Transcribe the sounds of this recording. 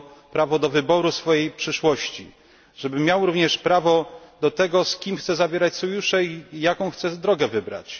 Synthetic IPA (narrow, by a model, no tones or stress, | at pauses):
pɾavɔd̪ɔvɘbɔɾusfɔjejpʂɘʂwɔɕt͡ɕḭ | ʐ̥ɛbɘmʲjawɾuvɲɛʂpɾavɔd̪ɔt̪ɛɡɔskʲimxt̪sɛzabʲjeɾat͡ɕsɔjuʂɛijakɔ̃w̃xt̪sɛd̪ɾɔɡɛvɘbɾa̰t͡ɕ